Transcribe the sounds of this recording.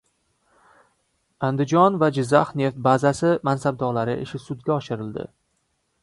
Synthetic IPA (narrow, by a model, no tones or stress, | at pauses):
and̪ɪd͡ʒɒnvad͡ʒɪzːahne̞ft̪̚bazasɪmansab̚d̪ɒɾlaɾɪʔɪ̰ʃɪsʊd̪ɡʲaɒʃɪɾɪld̪ɪ̰